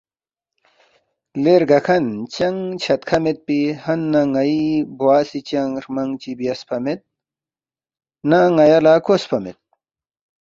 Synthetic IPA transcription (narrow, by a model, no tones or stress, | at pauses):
leɾɡɐkʰɐnt͡ɕɐŋt͡ɕʰɐt̪kʰɐmet̪̚pihɐnːɐŋɐibuwaːsit͡ɕɐŋɡɾmɐŋt͡ɕibijɐspʰɐmet̪̚ | naŋɐjɐlaːkospʰɐmḛt̪̚